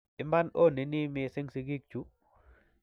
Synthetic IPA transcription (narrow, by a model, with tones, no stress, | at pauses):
i˨mba˦no˦ni˨ni˦me˨se˦ŋsi˨ɡi˦k̚t͡ʃu˦